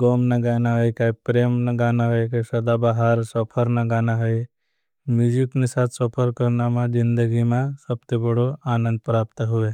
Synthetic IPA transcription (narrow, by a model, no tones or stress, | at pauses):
ɡoːmnaɡaːnaɦəjkaipɾeːmnaɡaːnaɦəjkasɐd̪abaɦaɾsəpʰəɾnaɡaːnaɦəj | mjuːd͡ʒiknisat̪ʰsɔpʰəɾkəɾnamãd͡ʒind̪əɡimãsɐb̚t̪ebəɽoaːnə̃nd̪̚pɾaːp̚t̪ɦuʋe